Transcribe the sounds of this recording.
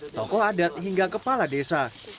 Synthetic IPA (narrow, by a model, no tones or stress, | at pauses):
t̪ɔkɔadat̪̚ɦiŋɡakəpaladesa